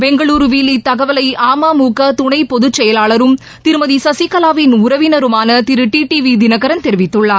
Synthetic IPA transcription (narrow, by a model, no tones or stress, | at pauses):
bɛŋɡɐɭuːɾʋiːlːit̪ɐɣɐʋɐlɐɪaːmaːmuːkɐt̪ʊɳɐɪpɔðɯt͡ʃːɛjɐlaːɭɐɾɯm | t̪ɪɾɯmɐðisɐsikːɐlaːʋɪnʊɾɐʋɪnɐɾɯmaːnɐt̪ɪɾɯʈiːʈiːʋid̪ɪnɐɣɐɾɐnt̪ɛɾɪʋɪt̪ːɯɭːaːɾ